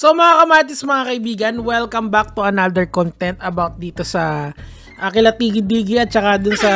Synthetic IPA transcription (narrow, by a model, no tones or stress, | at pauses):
somɐŋakɐmaːt̪ɪsɐmɐŋakɐʔɪbiːɡɐnwɛlkɐmbak̚t̪ʊɐnad̪ɛɹkont̪ɛnt̪ɐbawt̪̚d̪iːt̪osɐ | ʔɐkɪlɐt̪iːɡɪd̪iːɡɪʔɐt̪̚t͡ʃɐkad̪ʊnsɐ